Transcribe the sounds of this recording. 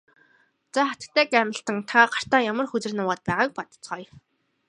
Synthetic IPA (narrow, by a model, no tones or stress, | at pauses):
t͡saχat̪̆kt̪ʰæːkæmə̆ɬt̪ə̆ŋt̪ʰaɢar̥t̪aːjamə̆rxɵt͡sɘ̆rnʊːʁaːt̪̚pæːʁaːk̚pɔt̪ə̥̆t͡sɢɔj